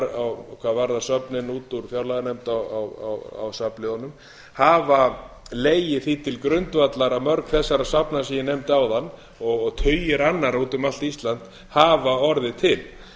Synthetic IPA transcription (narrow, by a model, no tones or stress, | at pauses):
ɾawkʰvaːðvaɾðasœpnɪnuːt̪uɾ̥fjawlaðanejmt̪awawa̰wa̰wsaplɪɔnːʏm | haːva | leːjɪθit̪ʰɪlkɾʏnt̪vat̪laɾamœɾkθɛsːaɾasapnasijɪnejmt̪awðanː | ɔɣɔɣt̪ʰœɥjɪɾanːaɾut̪ʏmal̥t̪ist̪lant̪ | haːvaɔɾðɪt̪ʰɪl